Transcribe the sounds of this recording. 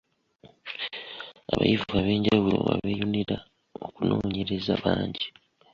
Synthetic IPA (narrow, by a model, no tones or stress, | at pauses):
aβa̰jivuɣaβe̞ːɲɟawulo̰βaβejoniɾa | o̞kuno̞ːɲe̞ɾezaβaːɲɟi